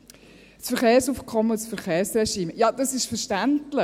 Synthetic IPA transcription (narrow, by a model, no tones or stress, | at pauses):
sfəɾχeːɾsuːfkʰɔməsfəɾχeːɾsrɛʃiːmjɑd̥̪ɑsɪʃfəɾʃtæntlɪ